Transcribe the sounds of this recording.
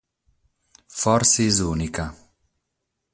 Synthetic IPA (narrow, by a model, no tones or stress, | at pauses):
fɔɾsizuːnika